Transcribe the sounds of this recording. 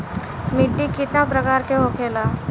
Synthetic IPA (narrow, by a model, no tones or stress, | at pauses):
mɪɖːikɪt̪napɾɐkaːɾkeɦokʰeːlaː